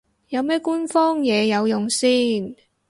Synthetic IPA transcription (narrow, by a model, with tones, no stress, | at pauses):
jɐ˨˧wmɛː˥kuː˥nfɔː˥ŋjɛː˨˧jɐ˨˧wjʊ˨ŋsiː˥n